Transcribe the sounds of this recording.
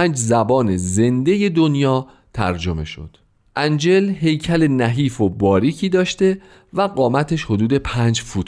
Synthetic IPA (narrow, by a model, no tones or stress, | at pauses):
nd͡ʒzæbɒːneze̞nd̪e̞je̞d̪onjɒː | t̪ʰæ̰ɾd͡ʒome̞̰ʃo̞̰d̪̥ | ʔænd͡ʒe̞lɦe̞jcʰæle̞næɦiːfobɒːɾiːcʰiːd̪ɒːʃt̪e̞ | væɢɒːmæt̪ʰe̞ʃho̞d̪uːd̪e̞pʰæːnd͡ʒfuːt̪